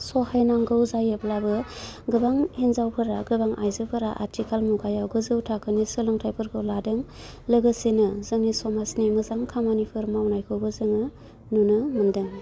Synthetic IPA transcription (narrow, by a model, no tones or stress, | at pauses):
sɔhajnaŋɡɯwzajɯplabɯɡɯbaŋhenzawkʰɯɾaɡɯbaŋʔajzɯpʰɯɾa̰ʔa̰ɾtʰikʰalmuɡajawɡɯzɯwtʰakʰɯnisɯlɯŋtʰajpʰɯɾɡʰɯladɯŋ | lɯɡɯsinɯzɯŋnisɔmasnimɯzaŋkʰamanipʰɯɾmawnajkʰɯwbɯzɯŋɯ | nunɯmɯndɯŋ